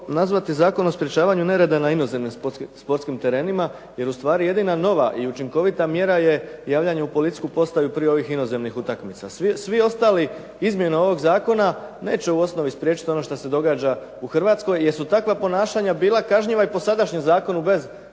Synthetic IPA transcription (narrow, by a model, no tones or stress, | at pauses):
nazʋat̪izaːko̞no̞spɾʲje̞t͡ʃaːʋaɲune̞ɾe̞d̪anaino̞ze̞mnimspoɾt̪kimt̪e̞ɾe̞ːnima | je̞ɾust̪ʋaːɾije̞d̪inano̞ʋa̰ʔiut͡ʃiŋko̞ʋit̪amje̞ɾaje̞jaːʋʎaɲaupo̞lit̪i̥kupo̞st̪ajupɾijeo̞ʋixino̞ze̞mnixut̪akmit̪a̰ssʋio̞st̪aːli | izmje̞nao̞ʋo̞ɡzaːko̞nane̞̰ːt͡ɕe̞uo̞sno̞ʋispɾjet͡ʃit̪io̞no̞ʃt̪ase̞d̪o̞ɡaːd͡ʒa | uxrʋaːt̪sko̞jjesut̪akʋapo̞naːʃaɲabiːlˠakaʒɲiʋaipo̞sad̪aʃɲemzaːko̞nube̞z